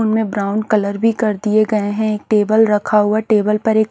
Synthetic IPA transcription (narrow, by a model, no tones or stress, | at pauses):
ʊnmẽbɾaːʊ̃ɳɖkɐləɾbʱikɐɾd̪ieɡɐeɦɛ̃eːk̚ʈeːbəlɾɐkʰaɦʊaʈeːbəlpɐɾeːk